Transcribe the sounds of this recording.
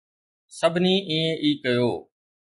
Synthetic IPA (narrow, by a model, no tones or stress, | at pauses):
səbʱnĩːʔĩːẽːʔiːkəjoː